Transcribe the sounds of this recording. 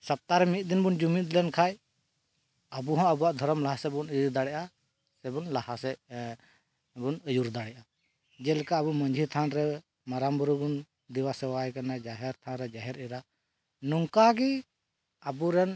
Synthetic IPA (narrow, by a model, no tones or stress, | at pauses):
səp̚t̪aɾɛmit̪̚ˀd̪inbund͡ʒumit̪lɛnkʰaj | əbuɦɔ̃əbuaʔd̪ʱɔɾɔmlaɦasɛbunid̪aɽɛʔa | sɛbunlahasɛ | bunəjuɾd̪aɽɛʔa | d͡ʒɛlɛkaəbuməɲd͡ʒʱit̪ʰanɾɛ | maɾambuɾubun | d̪iwasɛwajkanad͡ʒaɦɛɾt̪ʰanɾɛd͡ʒaɦɛɾiɾa | nuŋkaɡi | abuɾɛn